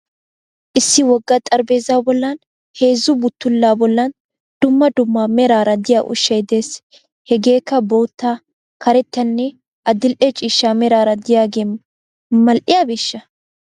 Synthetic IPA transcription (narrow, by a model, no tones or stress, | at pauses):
ʔɪsːɪwɔɡːɐt̪ʼɐɾbe̞ːzaːbɔlːɐn | he̞ːzːʊbʊt̪ːʊlːaːbɔlːɐn | d̪̥ʊmːɐd̪ʊmːaːmɛɾaːɾɐd̪ɪja̰ːʔʊ̰ʃːɐjd̪e̞ːs | hɛɡe̞ːkːɐboːt̪ːaː | kɐɾɛt̪ːɐnːɛ | ʔɐd̪ɪlʔɛt͡ʃʼiːʃːaːmɛɾaːɾɐd̪ɪjaːɡeːm | mɐlʔɪjabɪʃːɐ